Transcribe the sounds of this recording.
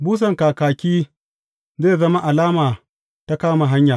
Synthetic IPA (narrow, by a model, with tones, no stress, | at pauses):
buː˦s̬ɐ˨ŋkaː˨kaː˨kʲiː˦ | zeː˦˨zɐ˦ma˦ʔa˨laː˦maː˨ | ta˦kaː˦ma˨ɦa˦ɲjaː˨